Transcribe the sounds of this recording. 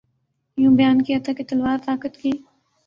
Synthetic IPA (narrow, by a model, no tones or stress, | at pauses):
jũːbɐjaːnkijat̪ʰaket̪ɐlwaːɾt̪aːkət̪kiː